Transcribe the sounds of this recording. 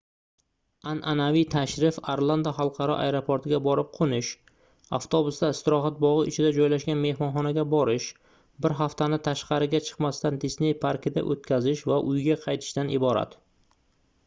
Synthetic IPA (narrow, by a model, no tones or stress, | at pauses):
anʔanavit̪ʰaʃɾɪfaɾlˠand̪aχɑlˠqʰɑɾɒ̰ʔa̰jɾopʰoɾt̪ʰɪɡʲabɒɾɪp̚qʰonɪʃ | a̰ft̪ʰobʊsd̪aɪst̪ɪɾɒɦat̪̚bɒʁɨɪt͡ʃʰɪd̪ad͡ʒɒjlaʃɡʲanme̞hmɒnχɒnaɡʲabɒɾɪʃ | bɪɾɦaft̪anɪt̪ʰaʃqɑɾɪɡʲat͡ʃʰɨ̥qmast̪and̪esne̞jpʰaɾkʲɪd̪a̰ʔot̪kʲazɪʃvaʔʊjɡʲaqʰɑjt̪ʰɪ̥ʃt̪anʔɪbɒɾa̰t̪